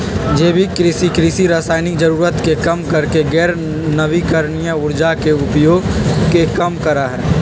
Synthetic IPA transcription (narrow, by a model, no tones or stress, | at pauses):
d͡ʒeːbʱikɾɪsikɾɪsiɾaːsaːɪnɪkd͡ʒəɾuːɾət̪kekɐmkəɾkeɡɛːɾ | nəʋikəɾnijaʊɾd͡ʒakeʊpjoːɡkekəmkəɾaɦɛː